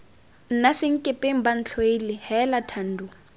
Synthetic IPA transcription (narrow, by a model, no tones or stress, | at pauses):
n̩nasɪŋ̩kʼɪpʼeŋ̩ban̩t͡ɬʰoilɪhɛlatʰan̩du